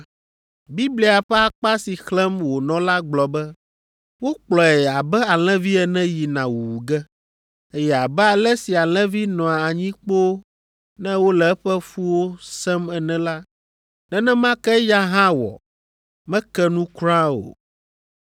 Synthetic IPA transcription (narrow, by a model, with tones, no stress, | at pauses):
bi˦bli˨a˨ɸɛ˦a˦k͡pa˦si˨xlɛ̃˦mwo˨nɔ̃˦la˦ɡ͡blɔ˨bɛ˦ | wo˦k͡plɔ˨ɛ˨a˨bɛ˦a˨l̃ɛ̃˦vi˦ɛ˨nɛ̃˦ji˨nã˨wu˨wu˨ɡɛ˦ | e˦jɛ˨a˨bɛ˦a˨lɛ˦si˨a˨l̃ɛ̃˦vi˦nɔ̃˨a˨a˨ɲĩ˦k͡po˦ | nɛ̃˦wo˦lɛ˨ɛ˦ɸɛ˦fu˦wo˦sɛ˦mɛ˨nɛ̃˦la˦ | nɛ˦nɛ̃˦mã˦kɛ˦ja˦ɦã˦wɔ̰˨ | mɛ̃˦kɛ˦nũ˦kɾã˦o̰˨